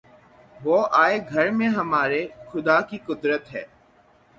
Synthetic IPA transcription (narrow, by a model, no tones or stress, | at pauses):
ʋoːʔaːeɡʱəɾmẽɦəmaːɾexʊd̪aːkiːkʊd̪ɾət̪ɦɛː